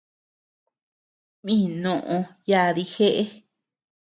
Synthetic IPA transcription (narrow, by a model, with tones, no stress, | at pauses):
mĩː˦˨nõ˧˨ʔõ˧ja˧ði˧xe˦ʔe˦